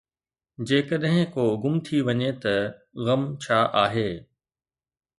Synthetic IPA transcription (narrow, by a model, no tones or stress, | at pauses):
d͡ʑeːkəɗɦɪ̃koːʊɡʊmt̪ʰiʋɐɲet̪ɐ | ɣɐmt͡ɕʰaːʔaːɦeː